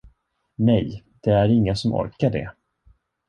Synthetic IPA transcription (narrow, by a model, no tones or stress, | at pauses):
nɛj | d̪̥ɛæɾɪŋːasɔmʔɔ̰ɾkaɖɛ̰